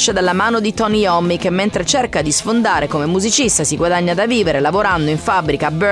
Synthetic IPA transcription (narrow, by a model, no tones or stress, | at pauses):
ʃad̪alːamaːnod̪it̪ɔniɔmːikemːent̪ɾet͡ʃerkad̪isfond̪aːɾekomemːuzit͡ʃist̪asiɡwad̪aɲːad̪aviːveɾelavoɾand̪oiɱfabːɾikab